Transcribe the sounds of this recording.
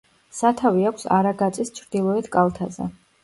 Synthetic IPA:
sat̪ʰaviakʷʰsa̰ɾaɡat̪sʼist͡ʃʰɾd̪ilˠɔɛt̪ʰkʼalˠt̪ʰazɛ̰

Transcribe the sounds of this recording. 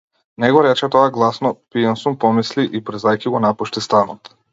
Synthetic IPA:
nɛɡɔɾɛt͡ʃɛt̪ɔaɡlˠasnɔpijɛnsumpɔmisliʔipɾɛzajkiɡɔnapuʃt̪ist̪anɔt̪

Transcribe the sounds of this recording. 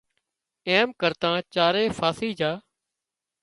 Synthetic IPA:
eːmkəɾt̪ãːt͡ʃaːɾeːfʰaːsiːd͡ʒaː

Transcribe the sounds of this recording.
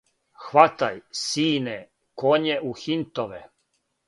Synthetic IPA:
xʋat̪ajsiːne | koɲeʔuxint̪oʋḛ

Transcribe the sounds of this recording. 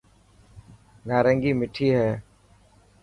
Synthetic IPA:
ɡaːɾə̃ŋɡiːmɪʈʰiːɦɛː

